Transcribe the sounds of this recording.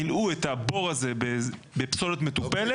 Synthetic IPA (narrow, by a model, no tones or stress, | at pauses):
iluetabo̞ʁazebe | be̞pso̞letmet̪upele